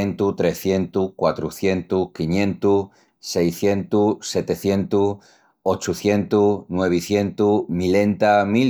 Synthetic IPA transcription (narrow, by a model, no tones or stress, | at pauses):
ent̪ut̪ɾe̞θje̞nt̪ukwat̪ɾuθje̞nt̪uhkinjẽnt̪u | sejθje̞nt̪use̞t̪e̞θje̞nt̪u | ot͡ʃuθje̞nt̪unweβ̞iθje̞nt̪umile̞nt̪ami